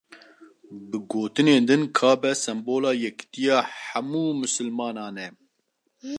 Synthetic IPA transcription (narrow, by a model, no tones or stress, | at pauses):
bɨɡoːt̪ɨneːnd̪ɨnkʰɑːbɛsɛmboːlɑːjɛkt̪ijɑːħæmuːmɨsɨlmɑːnɑːnɛ